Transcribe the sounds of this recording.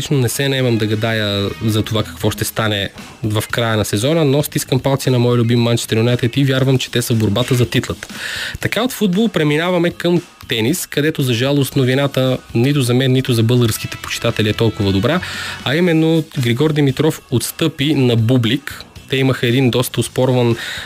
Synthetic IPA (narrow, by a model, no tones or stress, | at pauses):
it͡ʃnonɛsɛnɐɛmɐmd̪ɐɡɐd̪ajəzɐt̪ovakɐ̥kvɔʃt̪ɛst̪anɛ | vɐfkɾajənɐsɛzɔnənɔst̪iskəmpalˠt̪sinɐmɔjlʲʊbimːant͡ʃɛ̥st̪ɛɾonat̪ɛt̪ivʲjaɾvəmt͡ʃɛ̥t̪ɛsəvboɾbat̪əzɐt̪it̪lˠət̪ə̥t̪ɐkaot̪fud̪̚bolˠpɾɛminavɐmɛkəm | t̪ɛniskɐd̪ɛt̪ozɐʒalˠost̪novinat̪ənit̪̬ʊzɐmɛnːit̪ʊzɐbɤlˠɡəɾskit̪ɛ̥po̥t͡ʃi̥t̪at̪ɛliɛt̪ɔlˠkʊvɐd̪obɾaɐimɛnːoɡɾiɡɔɾd̪ɛmit̪ɾɔfot̪st̪ɤpinɐbublikt̪ɛiməxɐɛd̪ind̪ɔst̪əospɔɾvɐn